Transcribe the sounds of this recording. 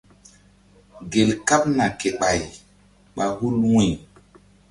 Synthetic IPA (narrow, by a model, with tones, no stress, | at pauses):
ɡe˨lka˦p̚na˨ke˨ɓa˨j | ɓa˨hu˦lwĩ˨